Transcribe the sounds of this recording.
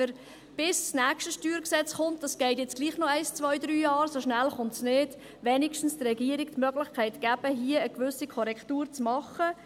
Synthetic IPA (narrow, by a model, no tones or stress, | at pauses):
əɾ | b̥ɪssnæːkʃtəʃtyːɾksɛt͡sχʊntdɑsɡ̥ɛɪt̬jɛt͡sɡ̥liːχnɔɛɪst͡sʋœʏd̪ɾyːjɑːɾsoʃnælχʊntsnɪːd̥ | ʋɛnikʃtn̩strɛɡiəɾik̚tmœɡlɪχkʰaɪtɡ̥æb̥əɦiəəkʋʏsikʰɔɾɛktuːɾt͡smɑχə